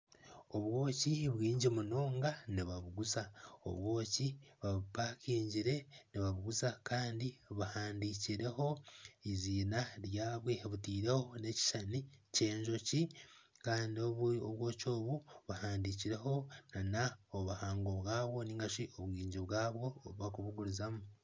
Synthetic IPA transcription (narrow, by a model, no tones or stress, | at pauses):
o̞βwo̞ːciβwiːɲɟimuno̞ːŋɡaniβaβuɡuzao̰βwoːciβaβpakiːɲɟiɾe̞niβaβuɡuzakaːndiβahaːndiciɾe̞ho̞iziːnaɾjaːβwe̞βutiːɾe̞ho̞ne̞ci̥ʃanice̞ːɲʒo̞cikaːndiooβwo̞ːco̞ːβuβahaːndiciɾe̞ɦo̞nanaoβuhaːŋɡo̞βɣaːβwo̞niːŋɡaʃioβwiːɲɟiβwaːβwo̞ːβakuβuɡuɾuzamu